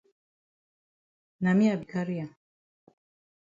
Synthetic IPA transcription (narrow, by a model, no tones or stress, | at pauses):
namiabikaɾija